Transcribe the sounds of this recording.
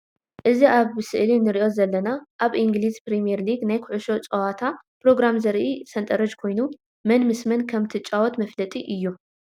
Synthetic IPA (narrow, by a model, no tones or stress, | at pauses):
ʔɨziʔaβɨsɨʔlinɨɾiʔo̞zɐlːɐnaʔaβʔiŋɡlizpɾimijeɾliɡnajkʰʊʕuʃo̞t͡sʼɐwat̪ʰa | pʰɾo̞ɡɾamzɐɾʔisɐnt̪ʼɐɾɐd͡ʒkʰo̞jnu | mɐnmɨsmɐnkʰɐmt̪ʰɨt͡ʃʼawɔt̪mɐflɐt̪ʼiʔɨjːu